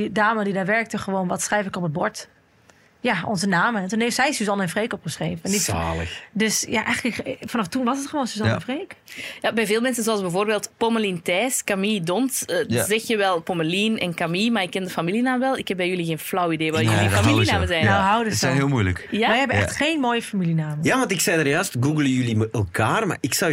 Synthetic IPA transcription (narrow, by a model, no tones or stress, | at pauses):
didaːmədidaːʋɛɹk̚təxəʋoːnʋɔtsrɛjfɪkɔpəbɔɹt | jaɔ̰nzənaːməntuneftsɛjsyzɔnɛnfreːkɔpχəsreːvənɛndi | døsjaʔɛjɣələkfanɔftunʋɔsətχəʋoːnsyzɔɛnfreːkjabɛjveːlˠmɛnsənzoalˠsbɛjvoːrbeːlˠtpoməlintɛːskamidontəzɛxjəʋɛlˠpoməliːnɛnkamiːmaːɪkːɛndəfamilinaːmʋɛlˠɪkhɛp̚bɛjyliɣeːnflɔwəideːʋajlifamilinaaːməzɛjnnoɦawdəsɛɦeːlˠmujlə̰kjaɛjhɛbəɛ̰xtxeːnmoːjəfamilinaːməjaʋɑntɪksɛjdarjœːstɡuɡləjyliməəlˠkʰaːrma̰ɪksɔw